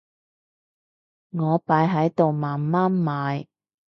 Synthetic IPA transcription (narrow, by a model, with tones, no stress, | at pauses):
ŋɔː˨˧paː˨˧˥jɦɐ˨˥jt̪o˨wmaː˨˩nmaː˥nmaː˨˧j